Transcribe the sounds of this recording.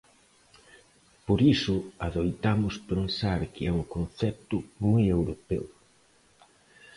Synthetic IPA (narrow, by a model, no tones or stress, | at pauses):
poɾisʊaðojt̪amʊspensaɾkɪɛuŋkon̟θɛp̚t̪ʊmojewɾopɛ̰w